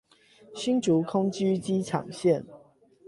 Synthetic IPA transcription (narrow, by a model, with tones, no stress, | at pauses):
ɕi˥nʈ͡ʂu˨˦kʰʊ˥ŋt͡ɕy˥t͡ɕi˦ʈ͡ʂʰɑ̰˨˩ŋɕjɛ˥˨n